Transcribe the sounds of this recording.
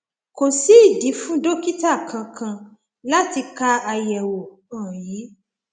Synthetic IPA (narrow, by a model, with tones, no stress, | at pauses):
ko˨si˦˨di˨˦fũ˦do˦˨ki˦ta˦˨kʰã˧kʰã˧ | la˦ti˧ka˦a˧jɛ˨wo˨ | ɔ̃˨ji˨˦